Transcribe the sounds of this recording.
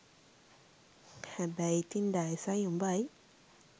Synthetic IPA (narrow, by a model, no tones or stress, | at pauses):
hɛbɛjt̪indajsajumbaj